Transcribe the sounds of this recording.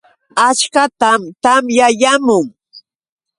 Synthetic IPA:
at͡ʃkat̪amt̪amjajamʊŋ

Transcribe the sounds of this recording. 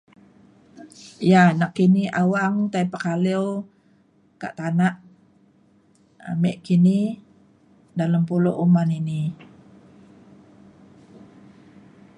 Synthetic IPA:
janakːiniawaŋt̪ajpəkaliw | ka̰ʔt̪anaʔ | a̰meʔkini | daləmpulo̰ʔumanini

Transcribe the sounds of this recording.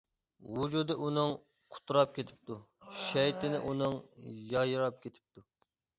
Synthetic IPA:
wud͡ʒud̪ɨʔunɨŋ | qʰʊ̥t̪ʰːuɾɑp̚kʲʰet̪ʰɪ̥p̚t̪u | ʃɛjt̪ʰɪnɪʔunɨŋjɑjɨɾɑp̚kʲʰet̪ʰɪ̥p̚t̪ʰu

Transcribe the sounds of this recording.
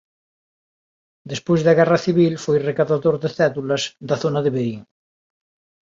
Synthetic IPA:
d̪espozðaɣ̞ɛraθiβ̞ilfojrekaðaðoɾðeθɛðulɐzd̪aθonaðeβeɾiŋ

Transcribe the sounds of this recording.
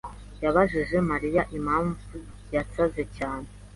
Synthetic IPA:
jaβaʒiʒe̞maɾijaʔimaːɱvu | jasaze̞caːne

